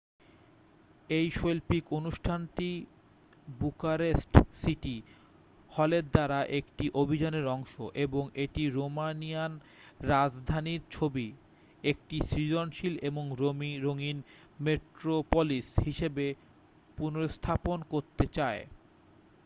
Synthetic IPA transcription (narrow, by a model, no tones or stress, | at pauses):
ejʃolpikonuʃʈʰanʈi | bukaɾesʈsiʈi | hɔleɾd̪aɾaʔekʈiʔobʱid͡ʑaneɾɔŋʃo̰ʔeboŋeʈiɾomanijan | ɾad͡ʑd̪ʱaniɾt͡ɕʰobi | ek̚ʈisɾid͡ʑonʃileboŋɾomiɾoŋin | meʈɾopolishiʃebe | punoɾost̪ʰaponkoɾt̪et͡ɕae